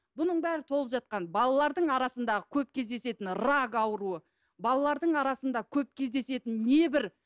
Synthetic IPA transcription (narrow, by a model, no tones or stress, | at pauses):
bʊnəɴbæɾɪt̪ʰolˠəpʒɑt̪̚qɑnbɑlˠɑlˠɑɾd̪əɴɑɾɑsənd̪ɑʁəkʲʰɵp̚kʲʰe̞zd̪e̞se̞t̪ɪnrɑɡɑwəɾuə | bɑlˠɑlˠɑɾd̪əɴɑɾɑsənd̪ɑkʲʰɵp̚kʲʰe̞zd̪e̞se̞t̪ɪnːe̞bɪɾ